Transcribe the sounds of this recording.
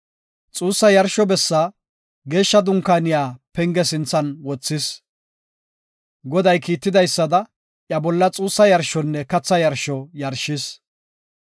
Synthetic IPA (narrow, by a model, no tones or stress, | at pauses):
t͡sʼuːsːɐjɐɾʃɔbɛsːa | ɡe̞ːʃːɐd̪ʊŋkaːnɪjaːpɛŋɡɛsɪnt͡sːɐnwɔt͡sːɪs | ɡɔd̪ɐjkiːt̪ːɪd̪ɐjsːɐd̪ɐ | ʔjɐbɔlːɐt͡sʼuːsːɐjɐɾʃɔnːɛkɐt͡sːɐjɐɾʃɔjɐɾʃɪs